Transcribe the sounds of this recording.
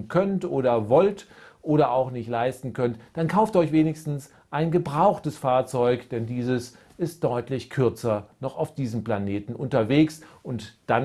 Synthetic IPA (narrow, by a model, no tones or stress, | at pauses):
nkʰœntʔoːɾɐvɔltʔoːɾɐaʊxnɪçtlaɪstn̩kʰœntd̥ankʰaʊftɔʏçv̥eːnɪçstn̩s | ʔaɪnɡəbʁaʊxtəsfaːɐt͡sɔʏkd̥ɛndiːzəs | ɪst̚d̥ɔʏtlɪçkʰʏɐt͡sɐnɔχaʊfd̥iːzəm̩planeːtn̩ʔʊntɐveːksʊntd̥an